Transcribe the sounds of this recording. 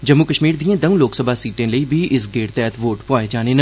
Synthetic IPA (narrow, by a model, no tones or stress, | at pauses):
d͡ʒɐmːukəʃmiːɾd̪iẽd̪ɐmũloːksəbʱasiːʈẽlɐibʱiʔɪsɡeːɽt̪ɛːt̪ʰʋoːʈpɔːed͡ʒaːnenɐ